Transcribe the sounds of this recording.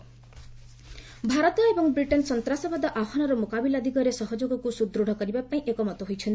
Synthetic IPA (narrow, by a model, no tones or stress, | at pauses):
bʱaɾɔt̪ɔebɔŋbɾiʈensɔnt̪ɾasɔbad̪ɔʔakʰɔnɔɾɔmokabilad̪iɡɔɾesɔɦɔd͡ʒoɡɔkusud̪ɾoɽ̤ʱɔkɔɾibapaĩʔekɔmɔt̪ɔɦojt͡ʃʰɔnt̪i